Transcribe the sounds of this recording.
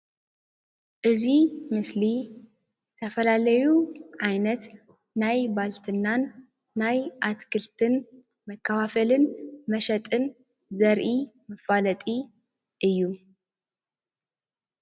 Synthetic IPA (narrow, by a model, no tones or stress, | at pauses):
ʔɨzimɨsli | zɨt̪ʰɐfɐlalɐjuʕajnɐt̪ | najbalt̪ʰɨnːanː | ajʔat̪kʰɨlt̪ʰɨn | mɐkʰːɐfafɐlɨnmɐʃɐt̪ʼɨn | zɐɾʔi | mɨfalɐt̪ʼi | ʔɨjːu